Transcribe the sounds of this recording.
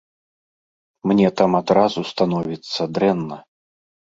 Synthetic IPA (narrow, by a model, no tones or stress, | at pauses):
mnʲɛt̪amad̪ɾazust̪anɔvʲit̪sːɐd̪ɾɛnːɐ